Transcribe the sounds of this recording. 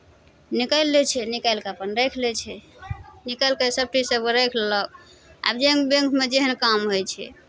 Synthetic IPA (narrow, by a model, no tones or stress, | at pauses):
nikəlːɛt͡ʃʰɛnikəlkapənɾekʰlɛt͡ʃʰɛnikəlkəsəb̚ʈisəbɾəkʰlə | a̰bd͡ʒeə̃ŋkbẽŋkmed͡ʒeɦənkamɦojt͡ʃʰɛ̰